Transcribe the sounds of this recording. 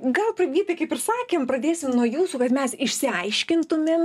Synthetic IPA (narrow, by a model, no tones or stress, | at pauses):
ɡɐlˠpɾɐbʲiːt̪ʲɐɪkɐɪpɪɾsɑːkʲeːmpɾɐd̪ʲeːsʲɪmnuɔjuːsuːkɐt̪mʲɛsɪʃʲsʲɪɐɪʃʲkʲɪnt̪ʊmʲem